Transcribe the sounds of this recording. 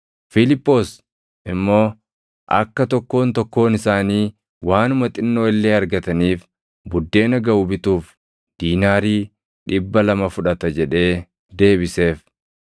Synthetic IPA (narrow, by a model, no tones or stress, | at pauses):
fɪlɪpːo̞ːs | ʔɪmːo̞ː | ʔɐ̰kːɐt̪ɔkːo̞ːnt̪ɔkːo̞ːnɪsaːniː | waːnʊmɐt̪ʼɪnːoːɪlːeːɐɾɡɐt̪ɐniːf | bʊd̪ːe̞ːnɐɡɐʊbɪt̪uːf | d̪̥iːnaːɾiː | ᶑɪbːɐlɐmɐfʊᶑɐt̪ɐd͡ʒɛᶑe̞ː | d̪e̞ːβɪse̞ːf